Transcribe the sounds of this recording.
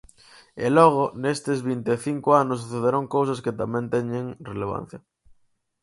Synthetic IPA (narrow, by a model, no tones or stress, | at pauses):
ḛlɔɣ̞onest̪ezβint̪eθiŋkoanʊs̬uθeðeɾaŋkowsasket̪amɛ̃nt̪ɛɲẽŋreleβ̞a̰n̟θjɐ